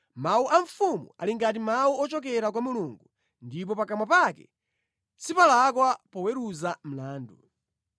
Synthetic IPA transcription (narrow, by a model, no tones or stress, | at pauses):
mauʔaɱfumṵa̰liŋɡat̬imauɔt͡ʃɔkɛɾak̬wamuluːŋɡu | ndip̬ɔpakamwapakɛ̰ | t͡sipalakwapɔwɛɾuzam̩laːndṵ